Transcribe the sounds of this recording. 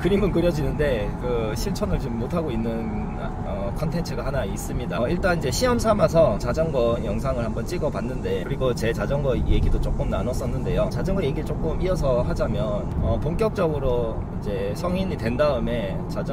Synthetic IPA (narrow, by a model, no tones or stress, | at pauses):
kɯɾimɯnkɯɾjʌd͡ʑinɯnde̞kɯɕʰimt͡ɕʰʌnɯɭt͡ɕomːotʰaɡoinːɯn | ʌkʰʌntʰe̞nt͡ɕʰɯɡahanais͈ɯmɲidaiɭt͈anind͡ʑe̞ɕʰiʌmsʰamas̬ʰʌt͡ɕad͡ʑʌŋɡwʌnjʌŋs̬ʰaŋɯɭhambʌnt͡ɕ͈iɡʌpanːɯnde̞kɯɾiɡot͡ɕe̞t͡ɕad͡ʑʌŋɡʌje̞ɡidot͡ɕ͈ok͈ɯmnanʌs͈ʌnːɯnde̞jot͡ɕad͡ʑʌŋɡʌje̞ɡiɭt͡ɕ͈ok͈ɯmiʌs̬ʰʌɦad͡ʑamjʌnʌpoŋk͈jʌk̚t͡ɕ͈ʌɡɯɾo | ind͡ʑe̞ | sʰʌŋiɲitwe̞ndaɯme̞ | t͡ɕad͡ʑʌ